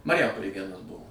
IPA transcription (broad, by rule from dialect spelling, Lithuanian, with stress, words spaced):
mɐrʲɪˈjɛmpoːlʲeːj ˈʋʲiɛnɐs ˈbʊʋoː